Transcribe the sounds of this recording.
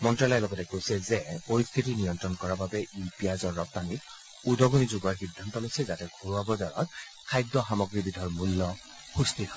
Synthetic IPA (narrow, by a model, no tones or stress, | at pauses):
mɔntɹalajɛlɔɡɔtɛkojsɛzɛpoɹist̪ʰitinijɔntɹɔnkɔɹababɛipiazɔɹːɔp̚t̪anik | udɔɡunizuɡaɹxidʱːant̪ɔlojsɛzatɛɡʱoɹuabɔzaɹɔ̰t̚ | kʰajdɔxamɔɡɹibidʱɔɹmulːɔ | xust̪iɔ